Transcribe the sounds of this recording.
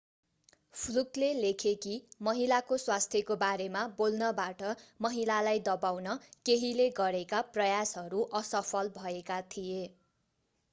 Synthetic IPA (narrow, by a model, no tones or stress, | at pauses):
pʰluklelekʰekimʌɦilakoswast̪ʰjʌkobaɾemabolnʌbaʈʌmʌɦilalajd̪ʌbawnʌkeɦileɡʌɾekaprʌjasɦʌɾuʔʌsʌpʰʌlbʱʌekat̪ʰije